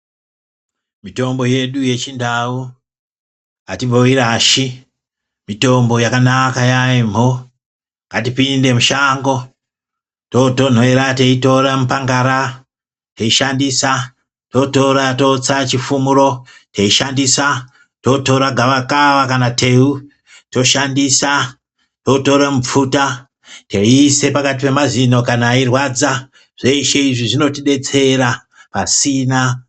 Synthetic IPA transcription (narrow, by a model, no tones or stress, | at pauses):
mito̞mbo̞je̞ɗuje̞t͡ʃindau | ŋɡatiboiɾaʃi | mito̞mbo̞jakanakajaim̤o | ŋɡatipinde̞muʃaŋɡo̞ | toton̤oeɾateito̞ɾamupaŋɡaɾa | teiʃandisa | to̞to̞ɾato̞t͡sat͡ʃifumuɾo̞ | teiʃandisa | to̞to̞ɾaɡʱaʋakaʋakanate̞u | to̞ʃandisa | toto̞ɾamup͡futa | te̞ise̞pakat̬ipe̞mazino̞kanairwad͡za | ʐ̥e̞iʃe̞iʐiʐino̞tiɗe̞t͡se̞ɾa | pasiːna